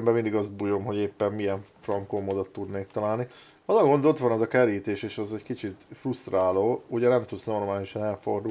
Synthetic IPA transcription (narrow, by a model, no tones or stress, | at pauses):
mbɛmind̪iɡɒzd̪̚bujo̞mɦo̞ɟeːpːɛmmijɛɱfrɒŋkoːmod̪ot̪ːud̪neːk̚t̪ɒlaːlni | ɒzɒɡo̞nd̪o̞t̪ʋɒnɛzɒkɛɾiːt̪eːʃeːʃɒzɛɟkit͡ʃit̪fruʃt̪raːloːuɟɛnɛmt̪ut̪sno̞rmaːliʃɒnɛlfo̞rd̪u